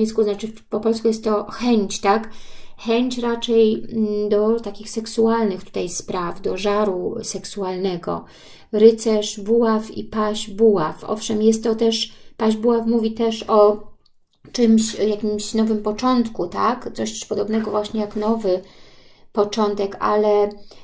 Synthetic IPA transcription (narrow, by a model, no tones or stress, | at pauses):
iskuznat͡ʂɘ | pɔpɔlskujɛst̪ːɔxɛɲt͡ɕt̪akxɛɲt͡ɕɾat͡ʂɛjd̪ɔt̪akʲixsɛksualnɘxt̪u̥t̪ajspɾavd̪ɔʐaɾusɛksualnɛɡɔ̰ | ɾɘt̪sɛʂbuwafḭpaʑbuwafʔɔ̰fʂɛmjɛst̪ːɔt̪ɛʂpaʑbuwafmuvʲit̪ɛʂɔ | t͡ʂɘmɕjakʲimɕnɔvɘmpɔt͡ʂɔnt̪kut̪akt̪sɔɕpɔd̪ɔbn̪ɛɡɔvwaɕɲɛjaknɔvɘ | pɔt͡ʂɔnt̪ɛka̰lɛ